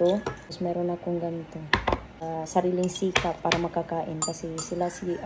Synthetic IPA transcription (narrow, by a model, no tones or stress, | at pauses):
usmaɾunakuŋɡamit̪u | saɾiliŋsikapaɾmakakaʔḭnpasisilasi